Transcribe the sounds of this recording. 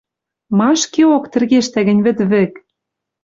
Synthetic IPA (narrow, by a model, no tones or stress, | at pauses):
mɑʃkeokt̪ɘ̆rɣeʃt̪æɣɘ̆nʲβɘ̆t̪βɘ̆k